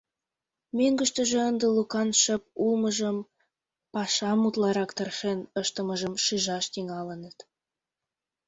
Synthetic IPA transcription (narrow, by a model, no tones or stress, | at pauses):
møŋɡə̆ʃt̪ə̆ʒĕənd̪ə̆lukɑnʃəp̚ulməʒəm | pɑʃɑmut̪lɑɾɑkt̪ərʃenəʃt̪ə̆məʒəmʃiʒɑʃt̪iŋɑlə̆nət̪